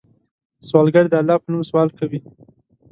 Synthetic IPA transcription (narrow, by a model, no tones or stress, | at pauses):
swɑlɡaɽd̪əalːɑpənumswɑlkawi